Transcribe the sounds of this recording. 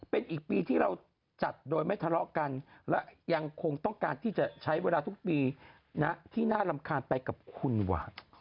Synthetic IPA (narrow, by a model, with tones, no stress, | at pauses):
pe˧nʔiː˨˩k̚piː˧t̪ʰiː˥˩ɾa˧w | t͡ɕa˨˩t̪̚doː˧jma˥˩jt̪ʰa˧lɔ˦˥ʔka˧nlɛ˦˥ʔja˧ŋkʰo˧ŋt̪ɔ˥˩ŋkaː˧nt̪ʰiː˥˩t͡ɕa˨˩t͡ɕʰa˦˥jweː˧laː˧t̪ʰu˦˥k̚piː˧ | na˦˥ʔt̪ʰiː˥˩naː˥˩la˧mkʰaː˧npa˧jka˨˩p̚kʰu˧nwa̰ː˨˩